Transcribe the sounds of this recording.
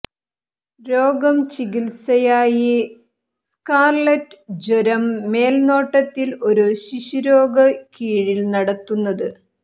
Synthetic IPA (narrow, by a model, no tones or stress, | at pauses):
ɾo̞ːɡɐmt͡ɕiɡilsɐjaːji | skaːrlɐʈːɨd͡ʑoɾɐmːe̞ːlno̞ːʈːɐt̪ːilo̞ɾuɕiɕuɾo̞ːɡɐkiːɻilnɐɽɐt̪ːunːɐðɨ